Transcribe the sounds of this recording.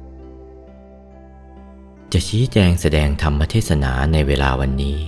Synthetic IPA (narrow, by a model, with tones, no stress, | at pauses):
t͡ɕa˨˩ʔt͡ɕʰiː˦˥t͡ɕɛː˧ŋsa˧dɛː˧ŋt̪ʰa˧mːa˦˥t̪ʰeː˥˩t̚sa˧na̰ː˩˦na˧jweː˧la̰ː˧wa˧nːiː˦˥